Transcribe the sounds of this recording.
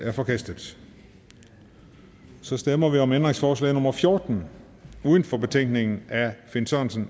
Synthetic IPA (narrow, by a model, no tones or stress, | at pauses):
æɐfɒ̽kʰæsd̥ð̩ˠ | sɒ̽sd̥emɐʋiɒ̽mend̥ʁe̝ŋsfɒːslɛ̰ɪnɔ̽mɐfjo̝ːɐd̥n̩ | uːðˠən̩fɒ̽b̥e̝t͡sʰeŋ̰ɡ̥ne̝ŋn̩æfe̝nsɒnsən